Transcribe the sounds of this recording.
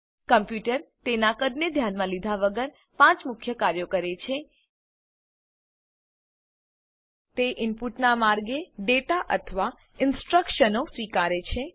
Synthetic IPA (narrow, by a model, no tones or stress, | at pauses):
kəmpjuʈəɾt̪enakəɾned̪ʱjanmãlid̪ʱaʋəɡəɾ | pãt͡ʃmʊkʰjəkaɾjokəɾet͡ʃʰe | t̪eʔɪmpuʈnamaɾɡeɖeʈaʔə̰t̪ʰəʋa | ɪnsʈɾəkʃənosʋikaɾet͡ʃʰe